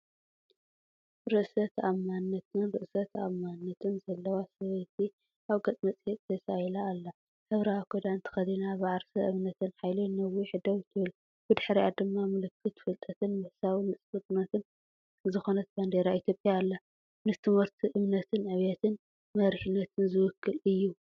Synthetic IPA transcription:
ɾɨʔsɐt̪amanːɐt̪ɨnɾɨʔsɐt̪ʰa̰mːanːɐt̪ʰɨnzɐlːɐwasɐβɐt̪ʰi | aβɡɐt̪ʼmɐt͡sʼjet̪ʼt̪ʰɐsajlaːlːa | hɐβɾawkʰod̪ant̪ʰɐ̥xɐd̪inaβɨʕaɾsɐʔɨβnɐt̪ʰɨnħajlɨnɐwiħɨd̪ɐwt̪ʰɨβɨl | bɨd̪ɨħɾiad̪ɨmːamɨlɨkːɨt̪fɨlt̪ʼɐt̪ʰɨnmɐhsawinɨsʼfɨt̪ʼnɐt̪ʰɨn | zɨxo̞nɐt̪̚band̪eɾait̪ʰjo̞pʼjaːlːa | nɨt̪ʰɨmɨɾt̪ʰiʔɨmnɐt̪ʰɨnʕɨβjɐt̪ʰɨn | mɐɾħinːɐt̪ʰɨnzɨwʊkʰːɨlɨjːu

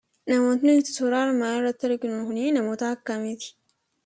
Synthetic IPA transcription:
nɐmoːt̪net̪ɪ̥soɾaːɾmaɾɐt̪ːɐɾɡɪnohʊneːnɐmoːt̪akːamet̪i̥

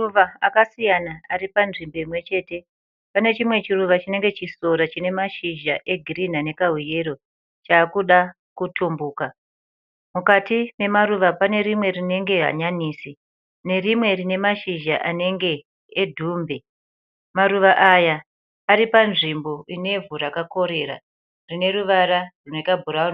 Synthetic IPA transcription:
uʋaakasijanaaɾipanʐimbo̞imwe̞t͡ʃe̞ːte̞ | pane̞t͡ʃimwe̞t͡ʃiruʋat͡ʃine̞ŋɡe̞t͡ʃiso̞ɾat͡ʃine̞maʃiʒaʔe̞ɡʱirin̤ane̞kaɦije̞ɾo̞ | t͡ʃaːkuɗa | kutʰumbuːka | mukatime̞maruʋapane̞ɾimwe̞rine̞ŋɡe̞ɦa̰ɲaniːsi | ne̞rimwe̞rine̞maʃiʒaʔane̞ŋɡe̞ː | dʱuːmbe | maruʋaʔajaː | ɾipanʐimbo̞ine̞vurakako̞ɾe̞ra̰ | rine̞ruʋaɾaruno̞ikabʱuɾaun

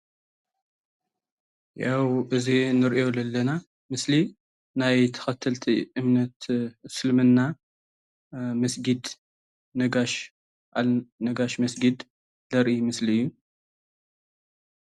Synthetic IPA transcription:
jawʔɨzinɨɾʔjo̞lɐlːɐna | mɨsli | najt̪ʰɐ̥xɐt̪ʰːɨlt̪ʰiʔɨmnɐt̪sɨlmɨnːa | mɐsɡid̪ | nɐɡaʃ | ʔanɐɡaʃmɐsɡid̪ | lɐɾʔimɨsliɨjːu

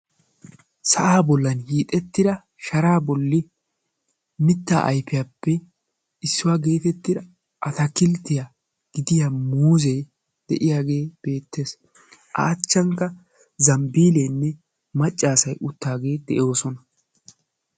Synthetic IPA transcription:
sɐʔaːbɔlːɐnhiːt̪ʼɛt̪ːɪd̪ɐ | ʃɐɾaːbɔlːɪ | mɪt̪ːa̰ːʔɐ̰jpɪjaːpːɛ | ɪsːʊwaːɡe̞ːt̪ɛt̪ːɪd̪ɐ | ʔɐt̪ɐkɪlt̪ːɪja | ɡ̥ɪd̪ɪjamuːzɛj | d̪̥ɛʔɪjaːɡe̞ːb̥e̞ːt̪ːe̞ːs | ʔa̰ːt͡ʃːɐŋkːɐ | zɐmbiːlɛnːɛ | mɐt͡ʃʼːaːsɐjʔʊt̪ːaːɡe̞ːd̪ɛʔo̞ːsɔnɐ

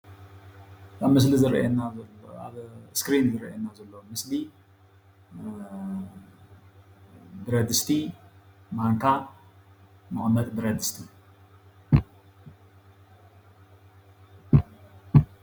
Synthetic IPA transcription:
amːɨslizɨɾɐ̰jenaaβskɾinzɨɾɐ̰jenːazɐlːomɨsli | d̪ɨɾɐd̪ɨst̪ʰi | maŋkʰa | mɨʔʼmɐt̪d̪ɨɾɐd̪ɨst̪ʰi

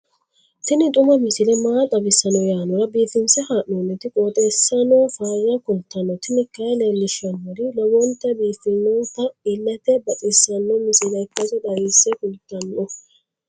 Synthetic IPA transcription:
t̪ɪnɪt̪ʼʊmɐmɪsɪlɛmaːt̪ʼɐbɪsɐnɔjaːnɔɾɐbiːfɪnsɛhaːʔunːɪt̪ɪkʼoːt̪ʼɛsːɐnɔfaːjɐkʊlt̪ːɐnɔt̪ɪnɪkːɐjlelːɪʃɐnːɔɾɪlɐwɔnt̪ːɛbiːfɪnːɔnt̪ːɐɪlːɛt̪ɛbɐt̪ʼɪsːɐnːɔmɪsɪlɐjkːɐzɔd̪ɐɾisːɛkʊlt̪ːɐnːɔ

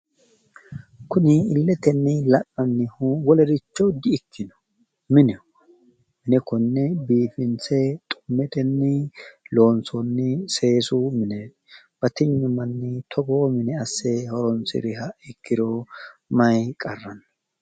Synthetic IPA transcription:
kʊnɪɪlːɛt̪ɛnːɪlɐʔɐnːɪhʊwɔlɛɾɪt͡ʃːɔd̪ɪɪkʰːɪnɔ̥ | mɪnɛ | mɪnɛkɔnːɛbiːfɪnt͡sɛt̪ʼʊ̥mːɛt̪ɛnːɪlo̞ːnt͡sɔnːɪse̞ːsʊmɪnɛ | b̥ɐt̪ɪɲːʊmɐnːɪt̪ʰɔɡoːmɪnɛɐsːɛhɔɾɔnsɪ̰ɾɪɦɐɪkːɪd̪ɔmɐjkʼɐrːɐn

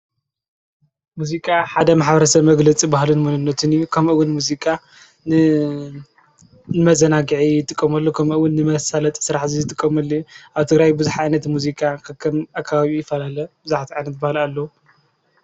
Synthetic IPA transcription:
muzikʼaħad̪ɐmaħbɐɾɐsɐβmɐɡlɐt͡sʼibahlɨnmunɨnːɐt̪ʰɨnjukʰɐmʔɨwʊnmuzikʼa | nɨmɐzɐnaɡɨʕijɪt̪ʼɨkʼːɐmɐlːokʰɐmʔɨwʊnːɨmɐsalɐt̪ʼsɨɾaħzizɨt̪ʼɨkʼːɐmɐlːiʔaβt̪ʰɨɡɾajbɨzuħaajnɐt̪muzikʼakʰɨkʰːɐmakʰːaβaβijɪfɐlalɐbɨzaħt̪ʰiʕajnɐt̪̚bahɨlalːɐwu

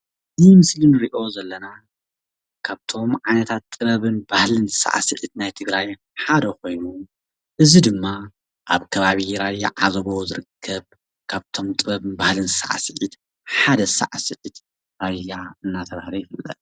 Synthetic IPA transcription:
ɨzimɨslɨnɨɾiʔo̞zɐlːɐna | kʰaβt̪ʰo̞mʕajnɐt̪ʰat̪ːʼɨβɐβɨnbahlɨnzɨsa̰ʔa̰sɨ̰ʕɨt̪̚najt̪ʰɨɡɾaj | ħad̪ɐko̞jnu | ʔɨzid̪ɨmːa | ʔa̰βkʰɐβaβiɾaja̰ʕa̰zβo̞zɨɾɨkʰːɐβ | kʰaβt̪ʰo̞mt̪ʼɨβɐβɨnbahlɨnzɨsa̰ʕa̰sɨʕit̪ | ħad̪ɐsa̰ʕasɨʕɨt̪ | ɾajjaɨnːat̪ʰɐβahlojfɨlːɐ̰t̪

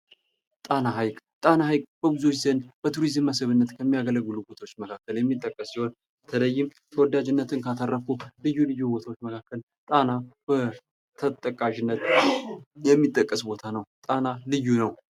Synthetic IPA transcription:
t̪ʼanaɦajkʼ | t̪ʼanaɦajkʼb̥əbɨzot͡ʃzənb̥ət̪ʰuɾizɨmːəsɨβɨnːət̪kʰəmːijaɡələɡːɨlubo̞t̪ʰawot͡ʃːməkʰakːəljɛmːit̪ʼːəkʼːəsːiho̞n | bət̪ʰələjːɪm | t̪ʰəwɔd̪ad͡ʒɨnːət̪ʰɨnkʰat̪ʰərːəkulɨjːulɨjːubo̞t̪ʰawot͡ʃːməkʰakːəl | t̪ʼanab̥ə | t̪ʰət̪ʼːəkʼaʒɪnːət̪ | jɛmːit̪ʼːəkʼːəsbo̞t̪ʰanəwt̪ʼanalɨjːunəw

